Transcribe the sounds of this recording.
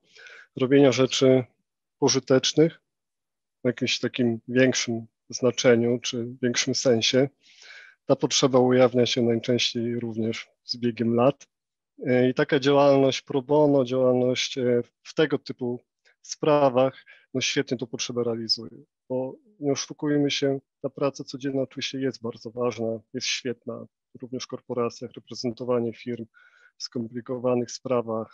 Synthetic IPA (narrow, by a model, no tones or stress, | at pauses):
ɾɔbʲjeɲaʐɛt͡ʂɘ | pɔʐɘt̪ɛt͡ʂnɘx | jakʲimɕt̪akʲimvʲjɛŋkʂɘm | znat͡ʂɛɲut͡ʂɘvʲjɛŋkʂɘmsɛ̃w̃ɕɛ | t̪apɔtʂɛbaujavʲɲaɕɛnajt͡ʂɛ̃w̃ɕt͡ɕejɾuvɲɛʐ | zbʲjeɡʲɛmlat̪ | it̪akad͡ʑawalnɔɕt͡ɕpɾɔbɔnɔd͡ʑawalnɔɕt͡ɕ | ft̪ɛɡɔt̪ɘpu | spɾavaxnɔɕfʲjɛt̪ɲɛt̪ɔpɔtʂɛbaɾɛalʲizujɛ̰ | b̥ɔ | ɲɛɔʂukujmɘɕɛt̪apɾat̪sat̪sɔd͡ʑɛnːaɔtuvʲiɕt͡ɕɛjɛst̪̚baɾd̪zɔvaʐnajɛst̪ɕfʲjɛt̪̚na̰ | ɾuvɲɛʂkɔɾpɔɾat̪sʲjaxɾɛpɾɛzɛnt̪ɔvaɲɛfʲiɾm | fskɔmplʲikɔvanɘxspɾavax